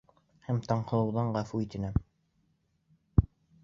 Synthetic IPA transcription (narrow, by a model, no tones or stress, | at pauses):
hæmt̪ɑɴqɤ̆lˠɤ̆wðɑɴɢæfuit̪ɘ̆næm